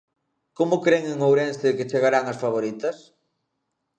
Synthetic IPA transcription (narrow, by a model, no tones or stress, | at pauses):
komʊkɾeŋeŋowɾɛnsɪkɪt͡ʃeɣaɾaŋɐsfaβ̞oɾit̪ɐs